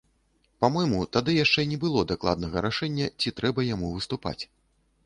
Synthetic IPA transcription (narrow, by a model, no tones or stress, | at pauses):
pamɔjmut̪ad̪ɨjaʂt͡ʂɛnʲɛbɨlˠɔd̪aklˠa̰d̪̚nɐɣɐɾaʂɛnʲːɐt͡sʲit̪ɾɛbɐjamuvɨst̪upa̰t͡sʲ